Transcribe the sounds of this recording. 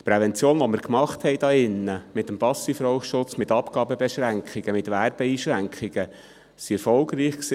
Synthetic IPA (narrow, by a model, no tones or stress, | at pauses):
t̪pɾɛvɛnt͡sjoːnʋɔməɾkmɑχt̪hɛɪd̪ɑɪnːəmɪt̪əmpɑsifɾɔwʃʊt͡smɪt̪ɑpɡ̥ɑːbəbɛʃɾæŋkʰχiɡ̥əmɪt̪ʋæɾb̥əiːʃɾæŋkχiɡə | siɛɾfɔlɡɾiːχksi